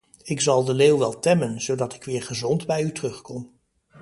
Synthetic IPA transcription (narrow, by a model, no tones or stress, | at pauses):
ɪkzɑlˠdəlewʋɛlˠtɛmənz̥owdɑtɪ̥kʋɪːɹχəzɔndbɛjytərɵχkɔm